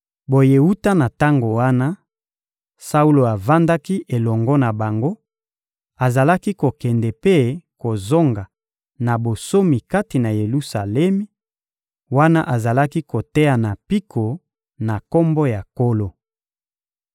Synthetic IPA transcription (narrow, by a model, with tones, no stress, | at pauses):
bo˨je˨wu˦ta˦na˨ta˦ŋɡo˨wa˦na˦ | sa˦u˦lo˨a˨va˦nda˦ki˦ʔe˨lɔ˨ŋɡɔ˦na˨ba˨ŋɡo˦ | a˨za˨la˦ki˦ko˨kɛ˨ndɛ˨pe˦ko˨zo˦ŋɡa˨ | na˨bo˨so˦mi˨ka˦ti˨na˨je˨lu˦sa˨lɛ˦mi˦ | wa˦na̰˦ʔa˨za˨la˦ki˦ko˨tɛ˦ja˨na˨pi˦kʰo˨ | na˨ko˦mbo˦ja˨ko˦lo˨